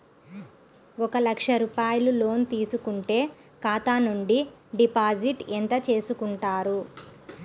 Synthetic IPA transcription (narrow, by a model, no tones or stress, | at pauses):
ɔkɐlɐkʂɐɾuːpaːjɐlulo̞ːnt̪iːsukuɳʈe̞ː | kaːt̪aːnuɳɖiɖipaːd͡ʒiʈent̪ɐt͡ʃe̞ːsukuɳʈaːɾu